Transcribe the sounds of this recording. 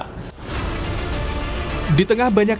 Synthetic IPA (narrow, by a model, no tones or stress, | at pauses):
dit̪əŋahbaɲak